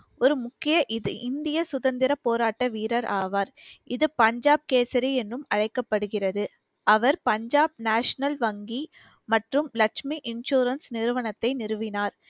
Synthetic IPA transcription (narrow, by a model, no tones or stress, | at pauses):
ɔɾɯmʊkːɪjɐʔɪðɯʔɪnd̪ɪjɐsʊðɐnd̪ɪɾɐpoːɾaːʈːɐʋiːɾɐɾʔaːʋaːɾʔɪðɯpɐɲd͡ʒaːb̚keːsɐɾiɛnrɯmɐɻɐɪkːɐpːɐɽɯɣɪrɐðɯ | ʔɐʋɐɾpɐɲd͡ʒaːb̚naːʂɐnɐlʋɐŋɡi | mɐʈrɯmlɐkʂmiʔɪnʃuːɾɐnsnɪɾɯʋɐɳɐt̪ːɐɪnɪɾɯʋɪnaːɾ